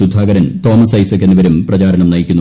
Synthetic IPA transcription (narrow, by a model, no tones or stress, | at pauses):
ud̪ʱːaːɡɐɾɐnt̪o̞ːmɐsɐjsɐkːenːɨʋɐɾumprɐt͡ɕaːɾɐnɐmnɐjikʲːunː